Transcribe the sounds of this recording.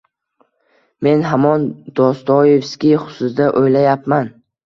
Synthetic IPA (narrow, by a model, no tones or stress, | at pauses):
me̞nɦamɒnd̪̥ɒst̪ʰɒjefskʲiχʊsʊsd̪aʔojlajapman